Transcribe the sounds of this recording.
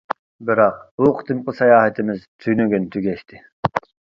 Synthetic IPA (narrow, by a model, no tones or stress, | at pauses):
bɪɾɑq̚b̥uqʰt̪ʰɨmqəsɑjɑːhɛt̪ʰɪmɪzt̪ʰyjnyɡʲynt̪ʰyɡʲɛʃt̪ʰɪ